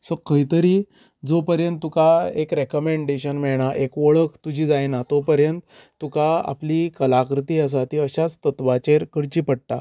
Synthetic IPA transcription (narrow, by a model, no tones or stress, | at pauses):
sɔkəɦit̪əɾiː | d͡zopəɾjənt̪ːukaekɾɛkəmẽɳɖeɕənmɛɭɳ̃aʔekʋəɭəkt̪ud͡ʑʱiːd͡zajnat̪opəɾjənt̪ | t̪ːukaa̰plikəlakɾt̪iːəs̬at̪iəɕat͡st̪ət̪ʋat͡ɕeɾkəɽt͡ɕiːpəɽ̚t̪a